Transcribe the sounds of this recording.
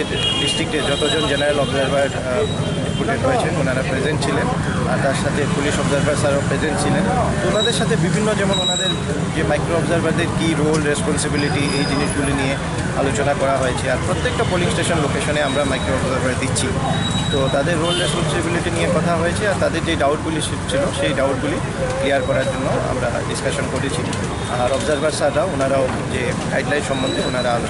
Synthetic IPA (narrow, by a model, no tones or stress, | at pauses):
e | ɖisʈɾik̚ʈed͡ʑɔt̪od͡ʑond͡ʑenaɾalɔbzaɾbaɾ | ɖipuʈeɳʈɦoet͡ɕʰenonaɾapɾed͡ʑeɳʈ̚t͡ɕʰilen | a̰ɾt̪aɾʃat̪ʰepuliʃɔbzaɾbaɾsaɾopɾezenʈt͡ɕʰilent̪oonad̪eɾʃat̪ʰebibʱinːod͡ʑɛmononad̪eɾ | d͡ʑemajkɾoɔbzaɾbaɾd̪eɾkiɾolɾespɔnsibiliʈiejd͡ʑiniʃɡulinie | a̰lot͡ɕonakɔɾaɦojet͡ɕʰeaɾpɾot̪ːek̚ʈapoliŋsʈeʃɔnlokeʃɔneamɾamajkɾoɔbzaɾbaɾd̪itːɕʰi | t̪ot̪ad̪eɾːolɾespɔnsibiliʈinijekɔt̪ʰaɦojet͡ɕʰeaɾt̪ad̪eɾd͡ʑeɖawʈɡuli | t͡ɕʰiloʃejɖawʈ̚ɡuli | klijaɾkɔɾaɾd͡ʑonːoa̰mɾa̰ɖiskaʃɔnkoɾit͡ɕʰi | aɾɔbzaɾbaɾsaɾaoonaɾao | d͡ʑe | kajɖlajnʃɔmːɔnd̪ʱeonaɾaalo